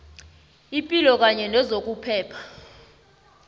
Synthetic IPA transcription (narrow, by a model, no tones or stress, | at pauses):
ipʼilɔk̬aɲɛnɛzok̬ʼupʰɛːpʰḁ